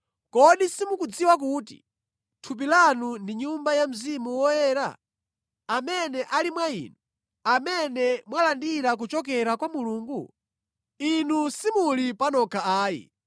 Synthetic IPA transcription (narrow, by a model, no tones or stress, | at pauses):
kɔɗisimukud͡ziwak̬uːtḭ | tʰup̬ilanundiɲumbajam̩zimuwɔjɛːɾa̰ | amɛnɛʔalimwaḭːnu | amɛnɛmwalandiɾak̬ut͡ʃɔkɛɾakwamuluːŋɡu | inusimulipanɔkʰaaːjḭ